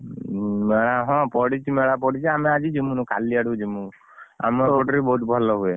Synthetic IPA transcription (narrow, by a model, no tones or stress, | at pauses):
meɽaɦɔ̃pɔɽit͡ʃʰimeɽap̬ɔɽit͡ʃʰiamead͡ʒid͡ʒimũnũka̰liaɽud͡ʒimũ | a̰mɔoʈɾibɔɦut̪̚bʱɔlɔɦue